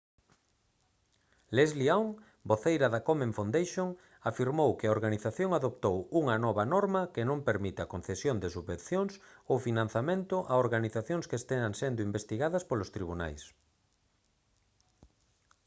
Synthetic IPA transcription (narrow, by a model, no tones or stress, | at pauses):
lezlioŋ | boθejɾɐðɐkomẽɱfund̪ejʃoŋ | afiɾmowkɪɐoɾɣaniθaθjoŋaðopt̪owuŋɐnɔβɐnɔɾmɐkenõmpeɾmit̪ɪɐkonθesjond̪esuββẽnθjoŋsowfinãnθamẽnt̪ʊʔaoɾɣaniθaθjõŋskest̪eaŋsend̪ʊimbest̪iɣaðɐspolʊst̪ɾiβ̞una̰js